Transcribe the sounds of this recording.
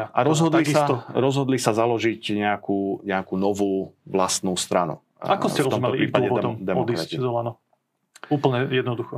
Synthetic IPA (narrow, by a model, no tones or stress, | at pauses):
ʔaɾɔzɦɔd̪lisaɔɾɔzɦɔd̪lisazalɔʒicɲɛakuːɲɛakuːnɔʋuːʋlast̪nuːst̪ɾanṵ | akɔscɛɾtɔzɔmɛɔlipɾiːpaɔɛɛd̪ɛmɔd̪kɾaizɔlanɔ | uːpl̩ɲɛjɛd̪nɔd̪uxɔ